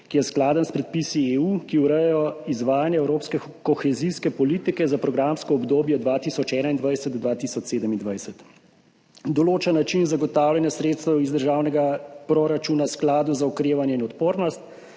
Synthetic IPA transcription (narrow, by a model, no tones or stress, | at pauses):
kijɛsklaːd̪ənspɾɛt̪̚pisieukiuɾɛjɛjɔizʋaːjanjɛɛwɾoːpskɛ | kɔxɛziskɛpɔliːt̪ikɛzapɾɔɡɾamskɔɔbd̪oːbjɔd̪ʋaːt̪isɔt͡ʃɛːnaind̪ʋajsɛd̪d̪ʋaːt̪isɔt͡ʃseːd̪əmind̪ʋajsət̪ | d̪ɔloːt͡ʃənːat͡ʃinzaɡɔt̪aːwlʲjanjasɾeːt̪st̪ɛwizd̪əɾʒaːwnɛɡapɾɔɾat͡ʃuːnasklaːd̪uzaukɾeːʋanjɛinɔt̪poːɾnɔst̪